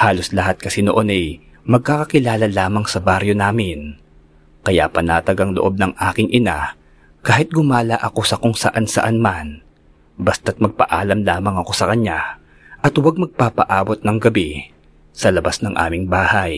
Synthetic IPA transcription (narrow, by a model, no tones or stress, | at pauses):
haːlo̞slɐhat̪̚kɐsɛno̰ʔo̞nɐj | mɐɡ̚kakɐkɪlaːlɐlaːmɐŋsɐbaɾjo̞naːmɪn | kɐja̰ʔpɐnaːt̪ɐɡɐŋlo̰ʔo̞b̚nɐŋʔaːkɪŋʔɪna | kaːhɪt̪̚ɡʊmaːlɐʔɐko̞sɐkoŋsɐ̰ʔansɐ̰ʔanman | bɐst̪at̪̚mɐɡ̚pɐ̰ʔaːlɐmlaːmɐŋɐko̞sɐkɐɲːa | ʔɐt̪wɐɡ̚mɐɡ̚papɐʔaːbo̞t̪̚nɐŋɡɐbi | sɐlɐbasnɐŋʔa̰ːmɪŋbaːhɐj